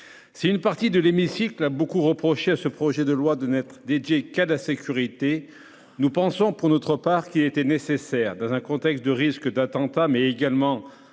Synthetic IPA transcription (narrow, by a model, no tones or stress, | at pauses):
siynpaʁt̪id̪əlemisiklabokuʁəpχɔʃeasəpχɔʒɛd̪əlwad̪ənɛt̪χəd̪ed̪jekalasekʲyʁit̪e | nupɑ̃sɔ̃puʁnɔt̪χəpaʁkilet̪ɛnesesɛʁd̪ɑ̃zɛ̃kɔ̃t̪ɛkst̪̚d̪əʁiskd̪at̪ɑ̃t̪amɛeɡalmɑ̃